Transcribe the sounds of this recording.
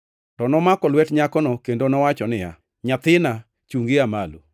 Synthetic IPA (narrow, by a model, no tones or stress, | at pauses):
tɔnɔmakɔlwɛtɲakɔnɔkendonɔwat͡ʃɔnɪja̰ | ɲat̪ɪna | t͡ʃuŋɡeamalṵ